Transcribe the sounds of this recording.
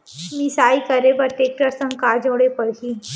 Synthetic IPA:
misaikəɾebət̪ek̚ʈɾəɾsə̃ŋkad͡ʑoɽepəɭki

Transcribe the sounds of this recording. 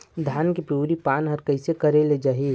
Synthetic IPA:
d̪ʱjaːnkipɾuːɾipaːnɦəɾkəɪsekəɾeled͡ʒaːɦi

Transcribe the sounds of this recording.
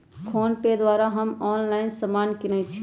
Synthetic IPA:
kʰoːnked̪waːɾaɦəmɔːnlaɪnsəmaːnkinət͡ʃʰi

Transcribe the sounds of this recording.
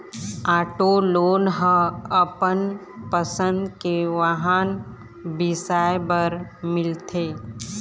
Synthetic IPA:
aːʈoloːnɦə̃əpən | pəsə̃nd̪keʋaɦan | bɪsaːjbəɾmɪlt̪ʰeː

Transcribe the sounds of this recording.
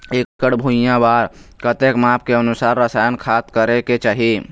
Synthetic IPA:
eːkkəɽbʱuɪjãbaːɾkət̪ekmãːp̚ʰkeənusaːɾːəsaːjənkʰaːt̪kəɾeket͡ʃaːɦi

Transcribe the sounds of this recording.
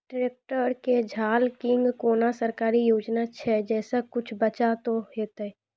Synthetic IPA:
ɖɾeːk̚ʈəɾked͡ʒʱaːlkɪ̃ŋɡkoːnasəɾkaːɾijoːd͡ʒnat͡ʃʰɛd͡ʒɛːsakʊt͡ʃʰbət͡ʃat̪oɦeːt̪ɛ

